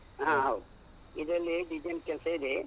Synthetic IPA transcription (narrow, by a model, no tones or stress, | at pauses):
ɦãɦɐwd̪u | id̪ɾɐlːiɖid͡ʒenkɛlsɐid̪e